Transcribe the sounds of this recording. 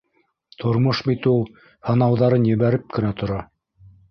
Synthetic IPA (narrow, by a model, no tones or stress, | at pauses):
t̪ʰŏɾmoʃbit̪ulˠ | hɤ̆nɑwðɑɾɤnjɘ̆βæɾɘp̚kɘ̆næt̪ʰŏɾɑ